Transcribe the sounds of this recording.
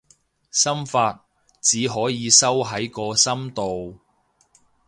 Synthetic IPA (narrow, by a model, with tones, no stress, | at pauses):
sɐ˥mfaː˧t̚ | t͡siː˨˥ɦɔː˨˥jiː˨˧sɐ˥wɦɐ˨˥jkɔː˧sɐ˥mt̪o˨w